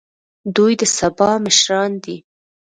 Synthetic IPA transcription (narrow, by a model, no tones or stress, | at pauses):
d̪ujd̪əsabɑmɪʃɾɑnd̪i